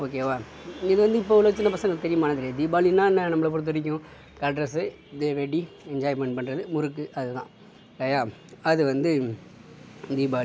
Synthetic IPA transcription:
oːk̬eːʋaːɪðɯʋɐnd̪ɯɪpːoːʋɪloːɪt͡ʃːɐnɐpɐsɐ̃ŋɡɐɭt̪ɛɾɪjɐmaːnɐðɪɾed̪iːbaːlinːaːnãːnɐmːɐɭɐp̬ɔɾɯt̪̬ːɯɾɪk̬ʲːʊ̃ | kɐɖɾɐsɯ | d̪eːʋeʈːi | ɛɲd͡ʒaːjmɛɳɖpɐɳːɾɐðɯmʊɾɯkːɯʔɐðɯt̪ã̰ː | ɪleːjaːɐðɯʋɐnd̪ɯ | d̪iːbaːli

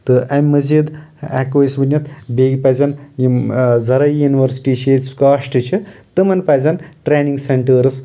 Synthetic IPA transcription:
t̪ɨʔamʲːɐzid̪a̰ːkoːjsbɐnʲjɐt̪ʰbeɡipajzɐnjzɐɾɐjuniwɐɾsi̥ʈiːt͡ʃʰet̪ʲsu̥kaːʂʈɨt͡ʃʰit̪ɨmɐnpazɐnʈɾeniŋɡseɳʈəɾɨs

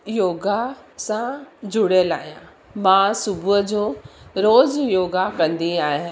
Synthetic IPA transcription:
joːɡasãd͡ʑʱʊɽəlaːɦijã | mãːsʊbʱʊɦəd͡ʑoːɾoːzjoːɡakɐ̃nd̪iaːɦɪ

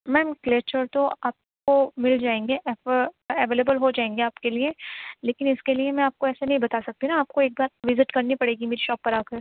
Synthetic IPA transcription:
mɛ̃ːmkleːt͡ʃəɾt̪oaːp̚komɪld͡ʒaːẽːŋɡeʔɛfɛʋeːlebəlɦod͡ʒaːẽːŋɡeaːpkelieleːkɪnɪskeliemɛ̃aːp̚koɛːsanɐɦĩbɐt̪aːsɐk̚t̪inaaːp̚koeːk̚baːɾʋɪzɪʈkɐɾnipɐɽeːɡimeːɾiʃɔːpːɐɾaːkəɾ

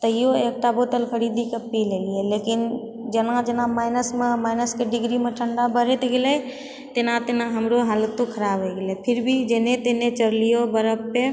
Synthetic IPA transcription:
t̪əijoek̚ʈabot̪əlkʰəɾid̪ikəpːileliɛlekin | d͡ʒənad͡ʒənamaɪnəsmemaɪnəskeɖiɡɾimeʈʰəɳɖabəɾ̤ɛt̪ɡelɛ | t̪enat̪enaɦəmɾoɦalət̪ːokʰəɾabʱɛɡelɛpʰiɾbʱid͡ʒenet̪enet͡ʃəɾlijobəɾəbːe

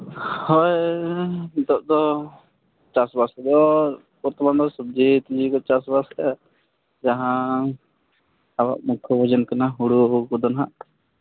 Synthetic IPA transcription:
hɔj | d̪ɔʔ̚d̪ɔ | t͡ʃasbasɛd̪ɔ | kɔɾt̪ɔmand̪ɔsɔb̚d͡ʒit̪id͡ʒikɔt͡ʃasbaskɛ | d͡ʒaɦã | aba̰ʔmukʰɔbʱɔd͡ʒənkanaɦuɽukɔd̪ɔnɦa̰ʔ

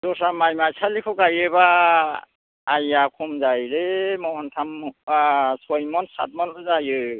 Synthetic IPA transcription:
z̥ɔsamajmajsʰalikʰɔkajeba | jakʰumzajɾemɔhɔntʰam | sɔjmɔnsa̰t̚mɔnɔzajɯ

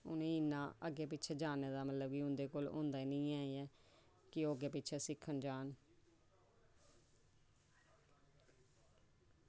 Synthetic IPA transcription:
ʊ̰nẽːɪnːãːəɡeːpɪtːt͡ʃʰʃʰɛːd͡ʒaːneːd̪aːmət̪ləbkiʊ̃nd̪eːkoːlõ̰ːnd̪aːiːnə̃ĩːaːeɛː | kɪoːɡeːpɪtːt͡ʃʰɛːsɪkʰːənd͡ʒaːn

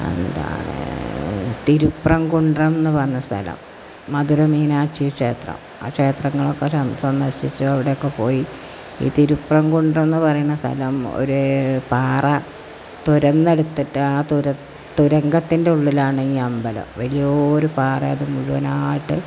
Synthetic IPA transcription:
e̞̰nd̪a̰ːɳɨ̰ | t̪iɾuprɐmkuɳɖrɐmenːɨʋɐnːɐst̪ʰɐ̰lɐ̰mː | ɐðuɾɐmiːnaːʈt͡ɕijɐkʂe̞̰ːt̪rɐ̰m | a̰ːkʂe̞ːt̪rɐŋːɐɭokːesɐnsɐnd̪ɐɾɕit͡ɕːuɐʋiɽe̞jokːe̞po̞ːji | ḭːt̪iɾuprɐŋkuɳɖrɐmenːɨpɐrɐjuɳːɐst̪ʰɐ̰lɐmo̰ɾupaːrɐ | t̪uɾɐnːe̞ɽut̪ːiʈːɨaːt̪uɾɐ | t̪ːuɾɐŋɡɐt̪ːinde̞uɭːilaːɳɨiːɐmbɐlɐ̰mʋɐlijoːɾupaːrɐɐðɨmuɻuʋɐnaːjʈːɨ

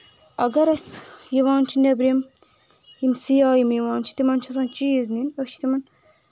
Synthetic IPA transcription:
ɐɡɐɾɐsjiʋɑːnt͡ʃʰinɛbɾem | jimsijaːjimjiʋɑːnt͡ʃʰi̥t̪imɐnt͡ʃʰɐs̬aːnt͡ʃizninɐt͡ʃʰi̥t̪imɐn

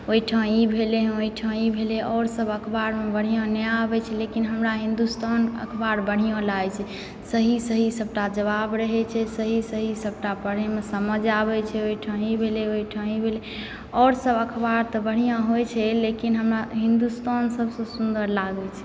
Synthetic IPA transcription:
oiʈʰãibʱeleɦoiʈʰãibʱeleʔɔːɾsəbəkʰbaɾmebəɽ̤ijãneɛabɛt͡ʃʰɛlekinɦəmɾaɦĩnd̪ust̪ʰanə̰kʰbaɾbəɽ̤ijãlat͡ʃʰɛ | səɦisəɦisəbʈad͡ʒəβabɾəɦɛt͡ʃʰɛsəɦisəɦisəb̚ʈapəɽ̤emesəməd͡ʒabɛt͡ʃʰɛoiʈʰãibʱeleoiʈʰãibʱele | ɔːɾsəbəkʰbaɾt̪ɔbəɽ̤ijãɦojt͡ʃʰɛlekinɦəmɾaɦĩnd̪ust̪ʰansəbsə̃sund̪əɾlaɡɛt͡ʃʰɛ̥

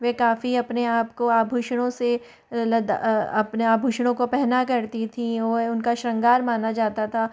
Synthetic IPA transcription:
ʋeːkaːfiɐpneaːpkoaːbʱuʃɽ̃õse | lɐd̪̰ɐ̰pneaːbʱuːʃɽ̃õkopɛɦnakɐɾt̪it̪ʰĩɔːʊnkaʃɾɐ̃ŋɡaːɾmaːnad͡ʒaːt̪at̪ʰaː

